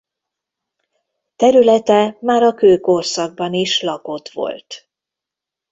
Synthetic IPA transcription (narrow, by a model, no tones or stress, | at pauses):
t̪ɛɾylɛt̪ɛmaːɾɒkøːkorsɒɡ̚bɒniʃlɒko̞t̪ʋo̞̰lt̪